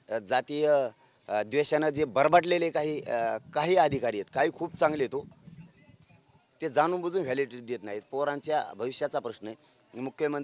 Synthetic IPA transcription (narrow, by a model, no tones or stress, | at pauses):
d͡zat̪iːjə | d̪ʋeɕjanad͡zebəɾbaʈlelekaɦiːkaɦiːad̪ʱikaɾiːjet̪kaɦiːkʰuːp̚t͡sãŋɡlet̪o | t̪ed͡zanuːnbəd͡zuːnʋeliʈeɾid̪jet̪naɦit̪̚poɾãɲt͡ɕjabʱəʋiɕjat͡sapɾəɕnəe | imukʰjəmə